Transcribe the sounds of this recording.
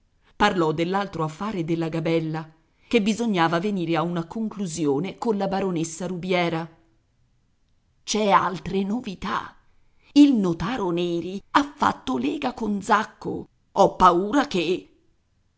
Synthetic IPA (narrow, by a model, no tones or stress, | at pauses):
parlɔd̪ːelːalt̪ɾoafːaːɾed̪elːaɡabɛlːa | kebːizoɲːaːvaveniːɾeaunakoŋkluzjoːnekonlabaɾonesːaɾubjɛːɾa | t͡ʃɛa̰lt̪ɾenovit̪a̰ | ilnot̪aːɾonɛːɾiafːa̰t̪ːolɛːɡakond̪zakːo̰ | ɔpːauːɾake